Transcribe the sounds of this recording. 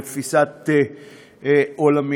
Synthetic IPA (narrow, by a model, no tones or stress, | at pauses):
fisat̪e | olami